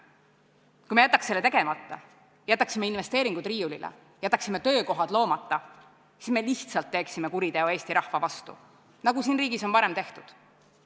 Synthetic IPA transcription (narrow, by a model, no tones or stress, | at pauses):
kujme̞jæt̪ːˑɑkse̞lːe̞t̪e̞ɡ̥e̞mɑt̪ːˑɑ | jæt̪ːˑɑksime̞inve̞st̪e̞ːɾiŋɡ̥ud̪riːulḭlʔḛ | jæt̪ˑːɑksimːet̪ø̞ːko̞ɦɑd̪̥lo̞ːmɑt̪ːˑɑ | sisme̞liht̪sɑlt̪ːe̞ːksimekuɾit̪e̞oe̞ːst̪iɾɑhvɑvɑst̪ṵ | nɑɡusiːnriːɡ̥iso̞npɑɾe̞mt̪e̞ht̪ud̪̥